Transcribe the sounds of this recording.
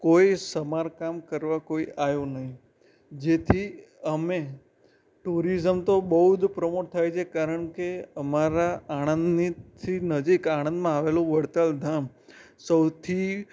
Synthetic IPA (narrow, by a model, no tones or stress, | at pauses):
kojsəmaɾkamkəɾʋakoiʔajũnəɦĩ | d͡ʒet̪ʰi | əme | ʈuɾizəmt̪obəud̪pɾəmoʈ̚t̪ʰːajt͡ʃʰekaɾəɳkeəmaɾaaɽ̃ənd̪nit̪ʰinəd͡ʒikaɽ̃ə̃nd̪mãaʋelũʋəɽt̪əld̪ʱam | səwt̪ʰi